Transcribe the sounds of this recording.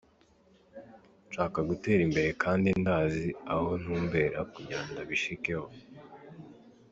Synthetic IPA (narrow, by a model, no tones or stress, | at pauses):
nʃaːkaɡute̞ːɾimbe̞ɾe̞kʰaːndindaːziaho̞nuːmbe̞ːɾakuɟaːndaβiʃike̞ho̞